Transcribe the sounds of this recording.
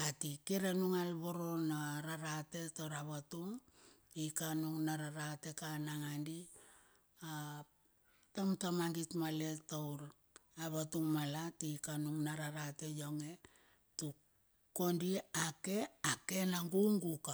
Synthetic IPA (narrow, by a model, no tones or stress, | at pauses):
atikiɾanuŋalβoɾo̞naɾaɾate̞tawɾaβatuŋ | ikanuŋnaɾaɾate̞kanaŋandi | a | tamtamaŋɡitmale̞tawɾ | aβatuŋmalatikanuŋnaɾaɾate̞jo̞ŋe̞ | tu | ko̞ndiake̞ake̞naŋɡuŋɡuka